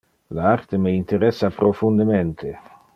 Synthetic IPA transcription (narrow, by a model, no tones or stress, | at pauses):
laart̪emeint̪eɾɛsːapɾofund̪ement̪ʰe